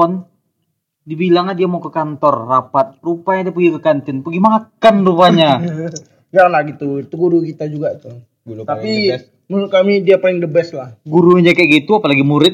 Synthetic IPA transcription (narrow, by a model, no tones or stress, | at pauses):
ɔn | dibilaŋadiamaukəkant̪ɔrːapat̪̚rupaɲadiap̬əɡikəkant̪ɪnpəɡimakanrupaɲa | d͡ʒakanlahɡit̪uit̪uɡuɾukit̪ad͡ʒuɡat̪ʊh | t̪api | musʊkamidiapalɪŋdəbɛslahɡuɾuɲd͡ʒakaɡit̪uapalaɡimuɾɪt̪̚